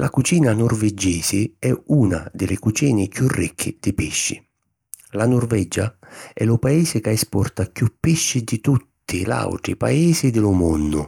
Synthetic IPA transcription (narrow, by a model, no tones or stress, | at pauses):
lʔakut͡ʃiːnanʊrved͡ʒɛːsɪɛuːna̰d̪ɪlɪkut͡ʃiːnɪkjurːikʰːɪ̰d̪̥ɪpiʃːɪ̰ | lanʊrvɛd͡ʒa | ɛlʊpaiːsɪkaɛspɔrt̪akjupːiʃːɪd̪ɪt̪ut̪ːɪla̰wʈɾɪ̰pa̰eːzɪd̪ɪlʊmɔnːdʊ